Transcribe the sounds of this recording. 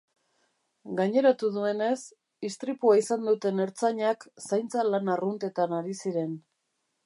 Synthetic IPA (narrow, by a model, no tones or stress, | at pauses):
ɡaɲe̞ɾat̪uðue̞ne̞s | ist̪ɾipuaisand̪ut̪e̞ne̞ɾt͡saɲaksajnt͡salanarunt̪e̞t̪anaɾisiɾe̞n